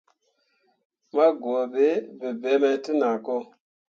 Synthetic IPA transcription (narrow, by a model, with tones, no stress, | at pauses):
ma˦ɡu˨a˨be˨˦be˨be˨˦mə˨˦ti˦na˨ko˦